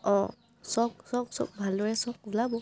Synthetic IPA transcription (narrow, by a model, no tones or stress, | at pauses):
ɔ | sɔk̚sɔk̚sɔ̰k̚bʱalːɔɹɛsɔk̚bulabɔ